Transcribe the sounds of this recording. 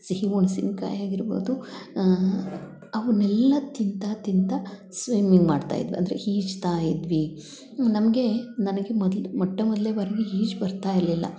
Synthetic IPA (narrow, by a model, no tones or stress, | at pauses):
siɦiʋuɳsinka̰ːjaːɡiɾbo̞̰ːd̪u | ɐʋɐnɛlːɐt̪int̪at̪int̪ɐ | sʋimiŋɡmaːɖt̪a̰ːjḭd̪ʋḭɐ̰nd̪ɐɾḛhiːd͡ʒt̪aːjid̪ʋi | nɐmɐɡe̞nɐnɐɡemɔd̪lmɔʈːɐmɔd̪leːbɐɾɐɡeɦiːd͡ʒbɐɾt̪aːjiɾlilːɐ̰